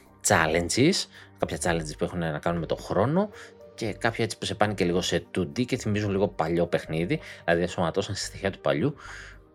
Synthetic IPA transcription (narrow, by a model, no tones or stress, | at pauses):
t͡sɐlend͡ziskɐpçɐt͡sɐlend͡zispue̞xunenɐkɐnunme̞t̪o̞̰xɾo̞no̞ce̞kɐpçɐe̞t͡si̥puse̞pɐnice̞liɣo̞se̞t̪ud̪ice̞θimizunliɣo̞pɐʎo̞pe̞xniðiilɐðieso̞mɐt̪o̞sɐnst̪i̥sθiçeɐt̪u̥pɐ̰ʎu